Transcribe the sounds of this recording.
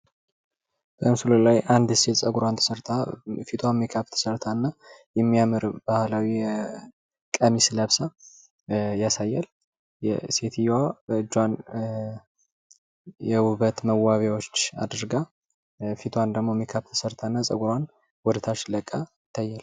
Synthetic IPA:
b̥əɨmsulolajʔand̪set̪sʼəɡuɾant̪ʰəsəɾt̪ʰafit̪ʰwamekʰaβt̪ʰə̥səɾt̪ʰanːajɛmːijamɨɾb̥ahlawi | kʼəmisləβsa | jasajːal | jɛse̞t̪ʰijaɨd͡ʒwan | jɛwuβət̪məwaβjawot͡ʃːa̰d̪ɾɡa | fit̪ʰwand̪əɡmomekʰaβt̪ʰə̥səɾt̪ʰanːasʼəɡuɾan | wɔd̪t̪ʰat͡ʃləkʼːa | t̪ʰːajːal

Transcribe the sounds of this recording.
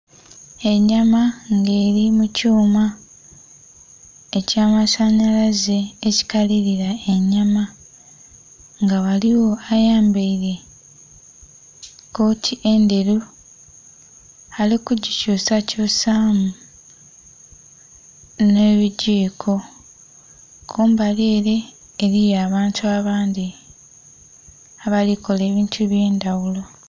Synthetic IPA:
e̞ɲːamaŋɡe̞ːɾimucuːma | ecaːmasaɲalaze̞ːci̥kaliɾiɾae̞ɲːama | ŋɡawaliwo̞ajaːmbeiɾe̞ | ko̞ːtʰiʔe̞nde̞ɾu | alikuɟicuːsacusaːmu | ne̞ːβiɟiːkʰo̞ | kʰuːmbaleːɾe̞ː | ɾijaːβaːntʰuaβaːnd̪i | aβaliko̞leːβiːntʰuβje̞ːndawulo̞

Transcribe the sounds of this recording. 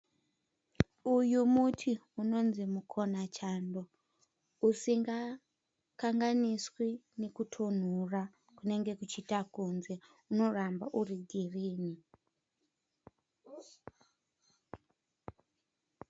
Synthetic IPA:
ujumutʰiuno̞nzimukʰo̞nat͡ʃando̞ | usiŋɡa | kaŋɡaniswinekutʰon̤ura | kune̞ŋɡe̞kut͡ʃitakunze̞ | uno̞rambaʔuriɡʱiriːni

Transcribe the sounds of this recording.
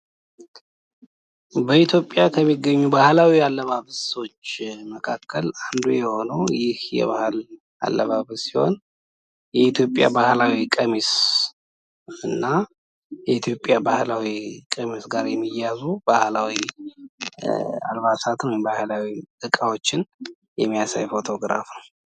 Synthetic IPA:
bəit̪ʰjo̞pʼːjakʰəmːiɡːəɲːubahlawialːəβaβɨsəwot͡ʃːməkʰakʰːəland̪ujɛho̞nəwjɪhjɛ̰βahɨl | a̰lːəβaβɨsiho̞̰n | jɛit̪ʰjo̞pʼːja̰bahlawikʼəmis | ɨnːa | jɛit̪ʰjo̞pʼːjabahlawikʼəmisɡaɾjɛmːijazubahlawi | a̰lβasat̪nwjmbahlawiʔɨkʼawo̞t͡ʃːɪn | jɛmːijasa̰jfo̞t̪ʰo̞ɡɾa̰fnəw

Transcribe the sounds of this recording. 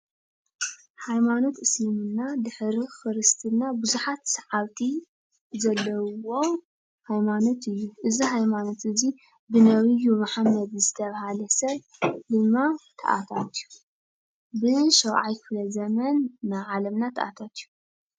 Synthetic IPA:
hajmano̞t̪ʔɨslɨmɨnːad̪ɨħɾixɨɾɨst̪ʰɨnːabuzuħat̪sɐʕawt̪ʰi | zɐlːɐwo̞ | hajmanot̪ʰɨjːuʔɨziɦajmano̞t̪ʔɨzi | bɨnɐβɨjumaħamːɐd̪zɨt̪ʰɐβhalɐsɐβ | d̪ɨmːat̪ʰɐ̰ʔa̰t̪ʰat̪ju | bɨʃɐwʕajkɨflɐzɐmɐnnaʕalɐmnat̪ʰɐ̰ʔa̰t̪ʰat̪ju

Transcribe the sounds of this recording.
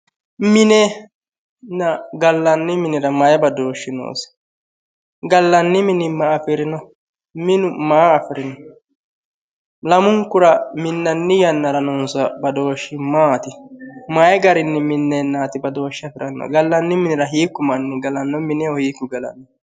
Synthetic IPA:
mɪnɛ | nɐɡɐlːɐnːɪmɪnɪɾɐmajɛbɐd̪o̞ːʃːɪno̰ːsɪ̥ | ɡɐlːɐnːɪmɪnɪmɐːfɪɾɪnɔ | mɪnʊmaːɐfɪɾɪnɔ | lɐmʊŋkːʊɾɐmɪnːɐnːɪjɐnːɐɾɐnɔnsɐbɐd̪o̞ːʃːɪmaːt̪ɪmajɛɡɐɾɪnːɛmɪnːenːaːt̪ɪbɐd̪o̞ːʃːɪɐfɪɾɐnːɔ̰ɡɐlːɐnːɪmɪnɪɾɐɦiːkːʊmɐnːɪɡɐlɐnːɔmɪnɛɔhiːkːʊɡɐlɐ̰nɔ

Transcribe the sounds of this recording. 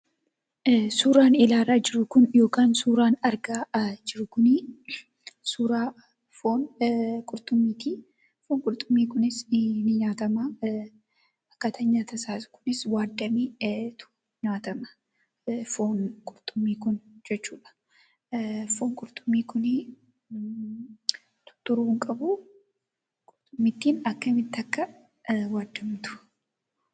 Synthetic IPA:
suːɾaːnɪlaːɾaːd͡ʒɪɾʊkʊnjo̞ːkaːnsuːɾaːnɐɾɡaːd͡ʒɪɾʊkʊni | suːɾaː | fo̞ːnkʼʊɾt̪ʼʊmːiːt̪i | foːŋkʼʊɾt̪ʼʊmːiːkʊnɪsnɪɲaːt̪ɐmɐ | ɐkːɐt̪ʰɐɲːaːt̪ɐsaːskʊ̥nɪswaːd̪ːɐmiːt̪ʊ̥ | ɲaːt̪ɐmɐ̥ | foːnkʼʊɾt̪ʼʊmːiːkʊnd͡ʒɛt͡ʃːuːᶑɐ̥ | foːŋkʼʊɾt̪ʼʊmːiːkʊnɪ | t̪ʊ̥t̪ːʊɾuːŋkʼɐbʊ | kʼʊɾt̪ʼʊmːɪt̪ːiːnɐkːɐmɪt̪ːɐkːɐ | waːd̪ːɐmt̪ʊ̥

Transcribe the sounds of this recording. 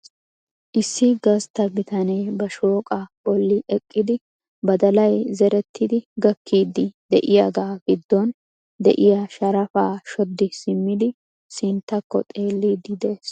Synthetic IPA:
ʔɪsːɪɡɐst̪ɐbɪt̪ɐneːbɐʃo̞ːkʼɐbɔlːɪʔɛkʼːɪd̪ɪ | bɐd̪ɐlɐjzɛɾɛt̪ːɪd̪ɪɡɐkːiːd̪ːɪd̪ɛʔɪjaɡaːɡ̥ɪd̪ːɔn | d̪ɛ̰ʔɪjɐʃɐɾɐfaːʃɔd̪ːɪsɪmːɪd̪ɪ | sɪnt̪ːɐkːɔ̰t̪ʼe̞ːlːid̪ɪd̪eːs

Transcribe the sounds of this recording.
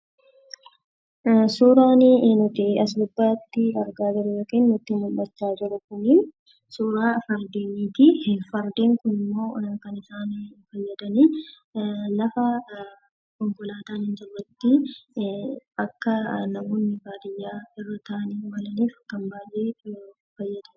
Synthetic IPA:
suːɾaːnɪnʊt̪ɪɐs̬bʊbːaːt̪ːɪɐɾɡaːd͡ʒɪɾʊjoːkeːnːʊt̪ːɪmʊlːɐt͡ʃːaːd͡ʒɪɾʊkʊnɪn | suːɾaːfɐɾd̪iːniːt̪ɪhfɐɾd̪iːŋkʊnɪmːo̞ːɐkɐnɪsaːnfɐjːɐd̪ɐniː | nɐfɐ | kɔŋkʊlaːt̪aːnhɪnd͡ʒɪrːɐt̪ːɪ | ɐkːɐnɐmoːnːɪɡaːd̪ɪjːaːɪrːɐt̪ʰɐʔɐniːwɐlɐniːfkːɐmbaːjʔeː | fɐjːɐd̪ɐ

